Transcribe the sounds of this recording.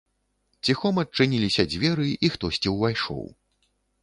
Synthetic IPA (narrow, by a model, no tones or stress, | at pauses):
t͡sʲixɔmɐt͡ʂːɨnʲilʲisʲɐd͡zʲvʲɛɾɨʔixt̪ɔsʲt͡sʲiwvajʂɔ̰w